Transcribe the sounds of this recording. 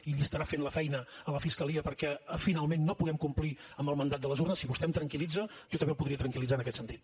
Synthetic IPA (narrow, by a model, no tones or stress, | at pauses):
iʎiəst̪əɾafenləfɛjnəələfiskəliəpəɾkɛəfinalˠmenːopuɣɛmkumpliəmbəlˠmənd̪at̪̚d̪ələzurnəsiβust̪ɛmt̪ɾəŋkilid͡zəʒɔt̪əmbewpuðɾiət̪ɾəŋkilid͡zaənəkɛt̪sənt̪it̪